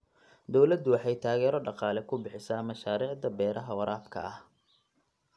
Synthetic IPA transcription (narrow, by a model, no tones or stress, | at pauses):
d̪ɔwlɐd̪ʊwɑħɑjt̪ʰaːɣɛːɾɔɖɑqɑːlɛkʰʊbɪħɪsaːmɐʃaːɾiːʕd̪ɐbɛːɾʔɐɦɐwɐɾʔaːfkʰɐ̰ʔɐh